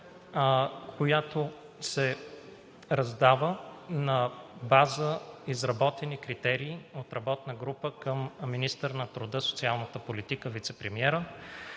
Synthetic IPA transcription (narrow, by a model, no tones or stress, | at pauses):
kʰojat̪o | sɛ | ɾɐzd̪avənɐbazəizɾɐbɔt̪ɛnikɾit̪ɛɾiːot̪ɾɐbɔt̪nəɡɾupəkəmːinist̪əɾnɐt̪ɾʊd̪ɤso̥t̪sialˠnət̪əpolit̪ikəvit̪sɛpɾɛmiɛɾə